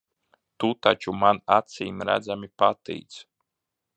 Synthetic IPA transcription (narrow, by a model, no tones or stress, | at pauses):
t̪ut̪at͡ʃumanat̪siːmɾæ̰d̪zamipat̪ḭːt̪s